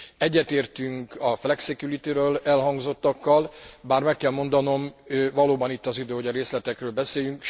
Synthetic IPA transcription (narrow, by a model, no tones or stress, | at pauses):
ɛɟːɛt̪eːrt̪yŋkɒflɛksɛkjuɾit̪iɾøːlɛlɦɒŋɡzo̞t̪ːɒkːɒlbaːrmɛkːɛlmo̞nd̪ɒno̞mvɒloːbɒnit̪ːɒzid̪øːhoɟɒɾeːslɛt̪ɛkrøːlbɛseːjyŋk